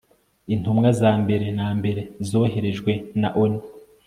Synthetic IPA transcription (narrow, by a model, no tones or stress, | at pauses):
intumŋazaːmbe̞ɾe̞naːmbe̞ɾe̞zo̞ːɦe̞ɾe̞ʒɡwe̞naʔoni